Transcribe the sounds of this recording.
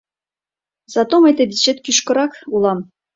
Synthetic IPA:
zɑt̪omet̪ĕd̪ʲit͡ɕet̪kʲyʃkɤ̆ɾɑkulˠɑm

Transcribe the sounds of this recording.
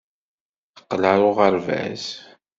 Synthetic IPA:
θə̥qːlaɾʊʁəɾvæ̰z

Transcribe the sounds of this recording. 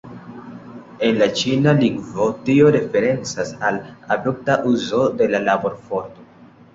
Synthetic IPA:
e̞nlat͡ʃinaliŋɡvo̞tio̞ɾe̞fe̞ɾe̞nt͡sasaladuk̚taʔuzo̞de̞lalabo̞ɾfoɾto

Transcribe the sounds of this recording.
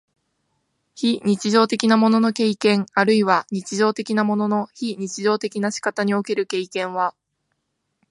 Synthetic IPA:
çiɲ̟it͡ɕiʑo̞ːt̪e̞kʲinamo̞no̞no̞ke̞ikẽ̞ŋaɾɯ̟iβaɲ̟it͡ɕiʑo̞ːt̪e̞kʲinamo̞no̞no̞çiɲ̟it͡ɕiʑo̞ːt̪e̞kʲinaɕi̥kat̪aɲ̟io̞ke̞ɾɯ̟ke̞ikẽ̞ɰ̃βa

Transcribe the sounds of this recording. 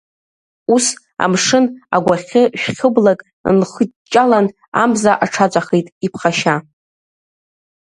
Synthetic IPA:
us | a̰mʂɨna̰ɡʷaχʲɪʃᶣχʲɨblakʼ | nχət͡ʃʼalan | a̰mzaʔaʈ͡ʂʰat͡ʃʷʼaχejtʼipʰχaʃa

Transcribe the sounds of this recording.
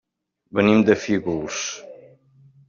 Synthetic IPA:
bənimd̪əfiɣuls

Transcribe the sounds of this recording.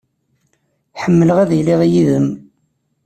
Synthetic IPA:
ħəmːələʁæðjliʁjiðəm

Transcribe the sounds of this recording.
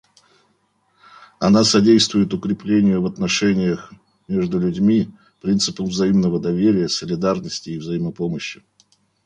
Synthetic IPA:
ɐnasɐdʲejst̪vʊjɪt̪ʊkɾʲɪplʲenʲɪjəvɐt̪nɐʂɛnʲɪjəx | mʲe̞ʐd̪ʊlʲʉdʲmʲi | pɾʲint̪sɨpəmvzɐimnəvəd̪ɐvʲeɾʲɪjəsəlʲɪd̪arnəsʲtʲɪːvzɐiməpoməɕːɪ

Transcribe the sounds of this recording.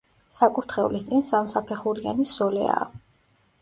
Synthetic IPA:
sakʼuɾt̪ʰχɛṵlist̪sʼinsamsapʰɛχuɾianisɔlɛ̰a̰ː

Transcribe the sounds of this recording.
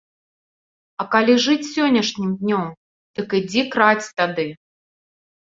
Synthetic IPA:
ɐkalʲiʐɨt͡sʲsʲɔnʲːɐʂnʲimd̪ʲnʲɔm | d̪̥ɐkɨd͡zʲikɾat͡sʲt̪ad̪ɨ

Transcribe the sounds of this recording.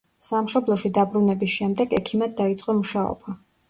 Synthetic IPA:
samʃɔblˠɔʃid̪abɾunɛbisʃɛmd̪ɛɡɛkʰimad̪̚ːait̪sʼqʼɔmuʃaɔ̰ba

